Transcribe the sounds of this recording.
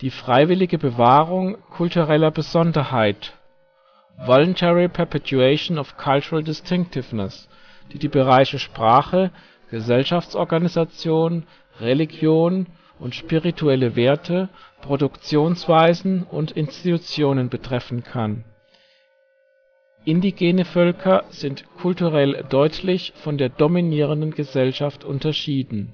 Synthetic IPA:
d̥iːfʁ̥aɪvɪlɪɡəbəvaːʁʊŋkʰʊltuʁɛlɐbəzɔndɐhaɪt | vɔlʊntʰɛʁipʰɛɐpʰɛtuɛɪʃnɔfkʰalt͡ʃʊʁəldɪstʰɪŋk̚tɪvnəs | d̥iːdiːbəʁaɪʃəʃpʁ̥aːχə | ɡ̥əzɛlʃaft͡sʔɔɐɡanizat͡sjoːn | ʁeliɡjoːn | ʔʊntʃpiʁitʰuɛləveːɐtʰəpʁ̥odʊkt͡sjoːnsv̥aɪzn̩ʔʊ̰ntɪnstitut͡sjoːnənbətʁ̥ɛfn̩kʰan | ʔɪndiɡeːnəfœlkʰɐz̥ɪntkʰʊltuʁɛldɔʏtʰlɪçfɔndeːɐdominiːʁ̞əndən̩ɡəzɛlʃaftʔʊ̰ntɐʃiːdn̩

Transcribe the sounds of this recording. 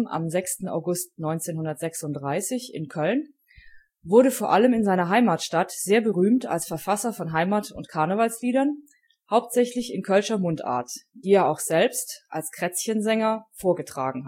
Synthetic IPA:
na̰mzɛkstn̩a̰ʊɡʊstnɔʏnt͡seːnhʊndɐtz̥ɛksʊntd̥ʁaɪsɪçɪ̰nkʰœln | vʊɐɾəfoːɐʔaləmɪnzaɪnɐɦaɪmaːtʃtatz̥eːɐbəʁyːmta̰lsfɛɐfasɐfɔnɦaɪmaːtʊ̰ntkʰaɐnəvalsliːdɐn | haʊp̚tz̥ɛçlɪçɪnkʰœlʃɐmʊnta̰ːɐtd̥iːeːɐaʊxz̥ɛlpstʔa̰lskʁ̥ɛt͡sçənzɛŋɐfoːɐɡətʁ̥a̰ːɡŋ̩h

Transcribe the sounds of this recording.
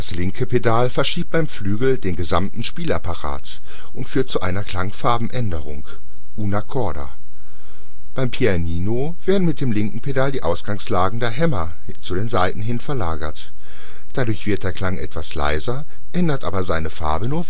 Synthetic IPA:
d̥aslɪŋkʰəpʰedalfɛɐʃiːp̚b̥aɪmflyːɡl̩deːnɡəzamtn̩ʃpiːla̰paʁa̰ːt | ʔʊntfyːɐt̚t͡suʔaɪnɐkʰl̥aŋfaɐbm̩ʔɛndəʁ̞ʊŋ | ʔuːnakʰɔɐda̰ | b̥aɪmpʰiɛniːno | v̥eːɐdn̩mɪt̚d̥eːmlɪŋkŋ̩pʰedaldiːʔaʊsɡ̥aŋslaːɡŋ̩deːɐɦɛmɐ | t͡sudeːnzaɪtn̩ɦɪnfɛɐlaːɡɐt | d̥adʊɐçv̥ɪɐt̚d̥eːɐkl̥aŋʔɛ̰tv̥asla̰ɪzɐ | ʔɛndɐtʔa̰ːbɐzaɪnəfaɐbənuːɐv

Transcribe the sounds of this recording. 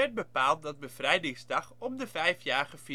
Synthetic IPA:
ɛt̚bəpaːlˠt̚dɑt̚bəv̥rɛjdɪŋsdɑχɔmdəvɛjfjaːχəfi

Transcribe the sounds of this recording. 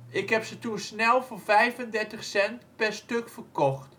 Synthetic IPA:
ɪkɦɛpsətusnɛlˠvoɹvɛjvəndɛɹtəχsɛntpɛɹstɵkfəɹkɔχt

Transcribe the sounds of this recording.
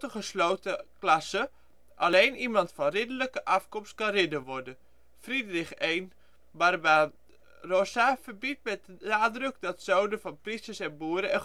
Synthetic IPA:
təχəsloːtəklasə | ʔalejnimɑntfɔnrɪdələkəʔafkɔmst̚kanrɪdəʋɔrdən | fridrɪxeːn | barba | rɔsafərbit̚mɛt̚ənaːdrəkdɔtsowdəfɔnpristəsɛnbuːəɾəɛ

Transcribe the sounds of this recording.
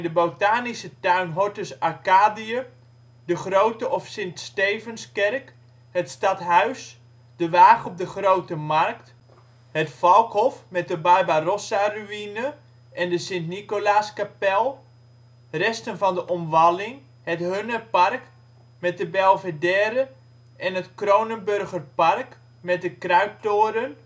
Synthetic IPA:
dəbowtaːnisətœɥnɦɔtəsakaːdiə | dəχrowtəʔɔfsɪntstejvənskɛrk | hətstɑtɦœɥs | d̥əʋaːχɔp̚dəχrowtəmarkt | hətfɑlˠkhɔfmɛt̚dəbajbarɔsaryinə | ʔɛndəsɪntnikolaskapɛlˠ | rɛstənvɑndəʔɔmʋalɪŋ | hətɦønərpark | mɛt̚dəbɛlˠvədɛːɾə | ɛnətkrownənbørɣərpark | mɛt̚dəkrœɥp̚toːəɾən

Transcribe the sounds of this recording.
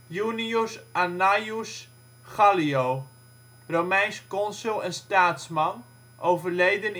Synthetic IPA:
jyniusanajus | χalioː | romɛjnskɔnsylˠɛnstaːtsmɑn | ʔowvərlejdən

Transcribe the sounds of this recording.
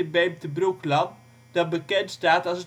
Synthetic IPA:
bemtəbruklɑn | d̥ɑtbəkɛntstaːtɑsə

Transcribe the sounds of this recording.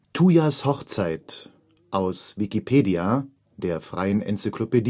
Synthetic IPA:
tʰuːjashɔχt͡saɪt | ʔaʊsvikipʰeːdia | d̥eːɐfʁ̥a̰ɪənʔɛ̰nt͡sikʰloped

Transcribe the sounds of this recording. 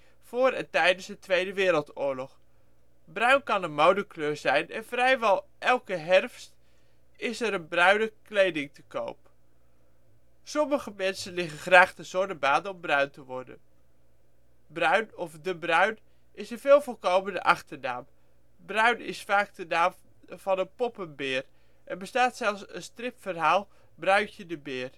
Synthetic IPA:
v̥ʊːɾɛntɛjdənzdətʋejdəʋɪːɾəlˠtʊːɹlɔχ | brœɥnkɑnənmowdəkløːɹzɛjnɛnv̥rɛjʋɛlˠ | ʔɛlˠkəɦɛrfst | ɪsəɾənbrœɥnəklejdɪŋtəko̰wp | sɔməχəmɛnsənlɪχənχraːχtənz̥ɔɹdəbaːdəɔmbrœɥntəʋɔɹdə̰n | brœɥnɔfdəbrœɥn | ʔɪsənv̥ɪːlˠvɔlˠkowməndə̰ʔɑχtəna̰ːm | brœɥnɪ̰sfaːkdənaːm | v̥ɑnənpɔpənbɪːr | ʔɛnbəstaːtsɛlˠfsə̰nstrɪpfərɦaːlˠ | brœɥcədəbɪːr

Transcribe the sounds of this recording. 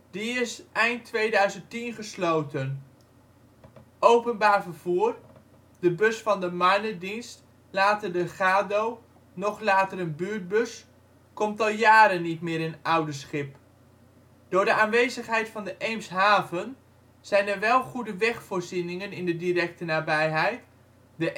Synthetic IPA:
diɪsʔɛjntːʋejdœɥzəntinχəslowtən | ʔowpənbaːɹvəɹv̥uːr | d̥əbɵsfɑndəmajnədinst | laːtədəχaːdow | nɔχlaːtəɾənbyːɹt̚bɵs | kɔmtɑlˠjaːɾənːitmɪːɾɪnʌwdəsχɪp̚ | d̥ʊːɹdəaːnʋejzəχɦɛjtfɑndəʔejmsɦaːvən | z̥ɛjnəɹʋɛlˠχudəʋɛχfʊːɹzinɪŋənɪndədirɛk̚tənaːbɛjɦɛjt | dəʔ

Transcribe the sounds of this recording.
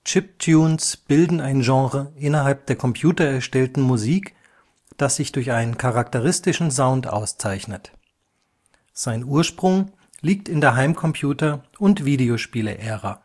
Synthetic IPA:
t͡ʃɪp̚tʰjuːnsb̥ɪldn̩aɪnʒɑ̃ːʁəʔɪnɐɦalp̚d̥eːɐkʰɔmpʰjuːtɐɛɐʃtɛltn̩muziːk | d̥asz̥ɪçd̥ʊɐçʔaɪnənkʰaʁak̚təʁɪstɪʃn̩zaʊntʔa̰ʊst͡saɪçnət | z̥aɪnuːɐʃpʁ̥ʊŋ | liːk̚tɪndeːɐɦaɪmkʰɔmpʰjuːtɐ | ʊntv̥iːdeoʃpiːlə̰ʔɛːʁa

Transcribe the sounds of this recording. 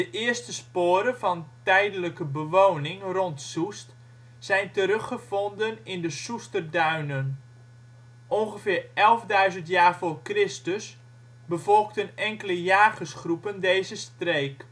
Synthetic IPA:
dəʔɪəstəspoːɾənfɔntɛjdələkəbəʋoːnɪŋrontsust | sɛjntəɾɵχəfɔndənɪndəsustərdœɥnən | ʔonɣəfɪːrɛlˠvdœɥzəntjaːrfoːrkrɪstəs | bəvɔlˠktənɛŋkələjaːɣəsχrupəndejzəstreːk

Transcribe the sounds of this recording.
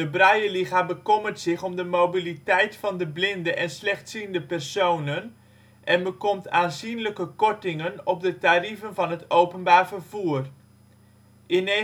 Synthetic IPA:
dəbrajəliχabəkɔmərtsɪχɔmdəmowbilitɛjtfɑndəblɪndəʔɛnslɛχtsindəpɛrsownən | ʔɛnbəkɔmtʰaːnzinləkəkɔɹtɪŋənɔp̚dətarivənvɑnɦətowpənbaːɹvərv̥uːr | ʔɪne

